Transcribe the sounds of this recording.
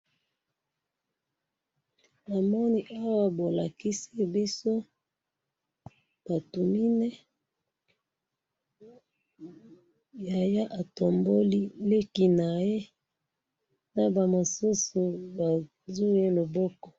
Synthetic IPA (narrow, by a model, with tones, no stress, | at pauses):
a˨mɔ˦ni˦ʔa˦wa˦bo˨la˨ki˦si˦bi˦so˦ | b̥a˨tu˨mi˦ne˦ | ja˨ja˦ʔa˨to˨mbo˦li˦le˦ki˨na˨je˦ | na˨ba˨mo˨su˦su˨ba˨ | zu˦e˦lo˨bɔ˦kɔ˨